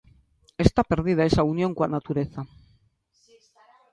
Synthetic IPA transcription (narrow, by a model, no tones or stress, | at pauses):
e̞st̪ape̞ɾðiðae̞saunjõ̞ŋkwanat̪uɾeθa